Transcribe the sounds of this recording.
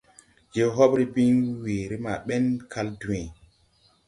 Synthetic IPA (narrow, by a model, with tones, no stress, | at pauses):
d͡ʒe˦ɦɔ˦ɓɾi˦bi˦nwe˨ɾi˦ma˨ɓɛ˦nkʰa˦ldu˨wẽ˨